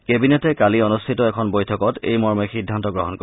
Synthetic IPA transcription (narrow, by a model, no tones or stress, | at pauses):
kebinɛtɛkaliɔnustʰitɔɛkʰɔnbojtʰɔkɔtḛjmɔɹmɛxidʱːantɔɡɹɔɦɔnkɔ